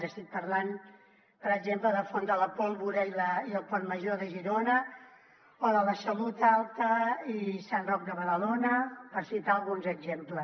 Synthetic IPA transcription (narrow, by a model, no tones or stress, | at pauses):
əst̪it̪̚pəɾlan | pəɾəɡzempləðəfond̪ələpɔlˠβuɾəiləiəlˠpɔnməʒoðəʒiɾonə | oðələsəlut̪alˠt̪əisanrɔk̚d̪əβəðəlonəpəɾsit̪aːlˠɣunzəɡzemplə